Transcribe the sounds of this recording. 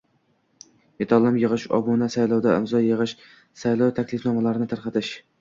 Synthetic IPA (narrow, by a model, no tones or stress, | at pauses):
jet̪ʰɑlˠːɪmjɨʁɨʃɒ̰bunasajlˠɒwd̪aɪ̰mzɒjɨʁɨʃ | sajlˠɒwt̪ʰakʲlɪfnɒmalaɾɪnɪt̪ʰaɾqɑt̪ɪʃ